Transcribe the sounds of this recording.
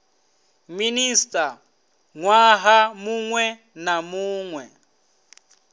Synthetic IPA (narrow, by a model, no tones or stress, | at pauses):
ministʼa | ŋwaɦamuŋwɛ | namuːŋwɛ